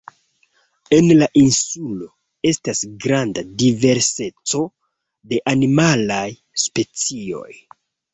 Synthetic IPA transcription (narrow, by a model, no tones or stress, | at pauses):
e̞nlaʔinsulo̞ | e̞stasɡɾandadive̞ɾse̞t͡so̞ | de̞ʔanimalaj | spe̞t͡sio̞̰j